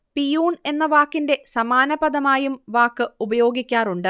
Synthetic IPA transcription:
pijuːne̞nːɐʋaːkːinde̞sɐmaːnɐbɐd̪ɐmaːjumʋaːkːɨubɐjo̞ːɡikʲːaːruɳɖɨ

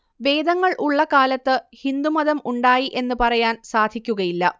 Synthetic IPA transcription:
ʋe̞ːd̪ɐŋːɐɭʔuɭːɐkaːlɐt̪ːɨhind̪umɐðɐmuɳɖaːjiʔe̞nːɨpɐrɐjaːnsaːd̪ʱikʲːuɣɐjilːɐ

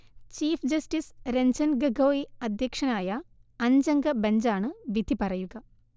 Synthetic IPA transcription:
t͡ɕiːfd͡ʑɐsʈisɾeɲd͡ʑɐnɡɐɡoːiɐd̪ʱjɐkʂɐnaːjɐɐɲd͡ʑɐŋɡɐbɐɲd͡ʑaːɳɨʋid̪ʱipɐrɐjuɡɐ

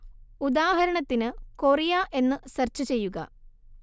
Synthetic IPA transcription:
ud̪aːɦɐɾɐɳɐt̪ːinɨkorijaːʔe̞nːɨsɐrt͡ɕːɨt͡ɕe̞jːuɣɐ̰

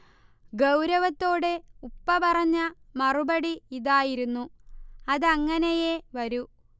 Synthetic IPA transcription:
ɡɐwɾɐʋɐt̪ːo̞ːɽe̞upːɐpɐrɐɲːɐmɐrubɐɽiiðaːjiɾunːuɐðɐŋːɐnejeʋɐɾu

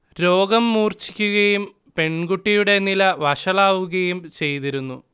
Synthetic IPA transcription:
ɾo̞ːɡɐmːuːrt͡ɕi̥kʲːuɣɐjum | pe̞ɳɡuʈːijuɽe̞nilɐʋɐʂɐɭaːʋuɣɐjumt͡ɕe̞jt̪iɾunːu

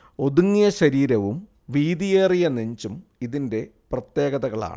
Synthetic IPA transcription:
o̞ðuŋːjɐɕɐɾiːɾɐʋum | ʋiːðijeːrijɐneɲd͡ʑumiðinde̞prɐt̪je̞ːɣɐðɐɣɐɭa̰ːɳɨ̰

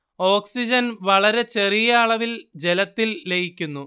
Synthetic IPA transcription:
o̞ːksid͡ʑɐnʋɐɭɐɾe̞t͡ɕe̞rijaːɭɐʋild͡ʑe̞lɐt̪ːilleɡikʲːunːu

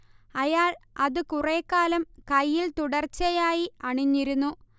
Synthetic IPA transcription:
ɐjaːɭɐðɨkureːkːaːlɐmkɐjːilt̪uɽɐrt͡ɕːɐjaːjiɐɳiɲːiɾunːu

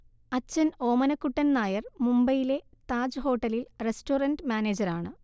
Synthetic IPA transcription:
ɐt͡ɕːɐno̞ːmɐnɐkːuʈːɐnnaːjɐrmumbɐjile̞t̪aːd͡ʑɨɦo̞ːʈːɐlilresʈoːrɐnɖmʲaːneːd͡ʑɐɾaːɳɨ

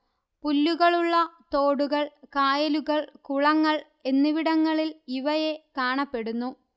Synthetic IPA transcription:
pulːuɣɐɭuɭːɐt̪oːɽuɣɐɭkaːjɐluɣɐɭkuɭɐŋːɐɭ | e̞nːɨʋiɽɐŋːɐɭiliʋɐje̞kaːɳɐpːe̞ɽunːu

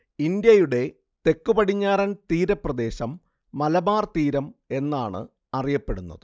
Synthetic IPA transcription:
ind̪jɐjuɽe̞ | t̪e̞kːupɐɽiɲːaːɾɐnt̪iːɾɐprɐd̪e̞ːɕɐmː | ɐlɐbaːrt̪iːɾɐme̞nːaːɳɨ̰ | ɐrijɐpːe̞ɽunːɐ̰ðɨ

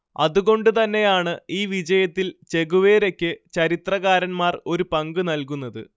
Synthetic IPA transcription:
ɐ̰ðuɣo̞ɳɖɨt̪ɐnːe̞jaːɳɨiːʋid͡ʑɐjɐt̪ːilt͡ɕe̞ɣuʋeːɾe̞kʲːɨt͡ɕɐɾit̪rɐɣaːɾɐnmaːro̞ɾupɐŋɡɨnɐlkunːɐðɨ̰

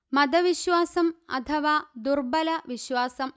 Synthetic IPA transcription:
mɐd̪ɐʋiɕʋaːsɐmɐ̰t̪ʰɐʋaːd̪urbɐlɐʋiɕʋaːsɐm

